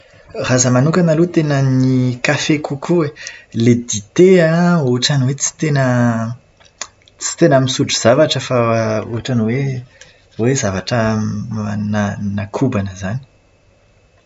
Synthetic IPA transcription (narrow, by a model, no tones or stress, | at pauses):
razəmanukʲanalut̪enənikafekʰukʰuweled̪it̪eauɦaʈ͡ʂaniwet͡si̥t̪enə | t͡si̥t̪enamisuʈ͡ʂuz̥avaʈ͡ʂəfauɦaʈ͡ʂaniwe | wezavaʈ͡ʂə | nanakʰubanəzani̥